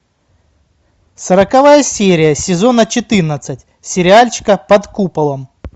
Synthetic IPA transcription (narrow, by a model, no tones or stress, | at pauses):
səɾəkɐvajəsʲeɾʲɪjəsʲɪzo̞nət͡ɕɪt̪ɨrnət̪sɨtʲ | sʲɪɾʲɪalʲt͡ɕɪ̥kəpɐt̪kupɐlˠəm